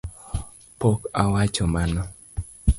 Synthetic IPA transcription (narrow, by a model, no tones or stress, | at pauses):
pɔkawat͡ʃɔmanɔ